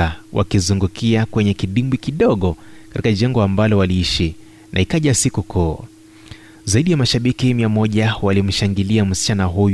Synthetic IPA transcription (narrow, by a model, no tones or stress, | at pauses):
awʔa̰kizuŋɡukiakwɛɲɛkiɗimbikiɗɔɠɔkatikaʄɛŋɡɔambalɔwaliiʃi | nʔa̰hikaʄasikukʰɔ | zaiɗijamaʃaɓikimiamɔʄawalim̩ʃaŋɡiliam̩si̥t͡ʃanaɦuj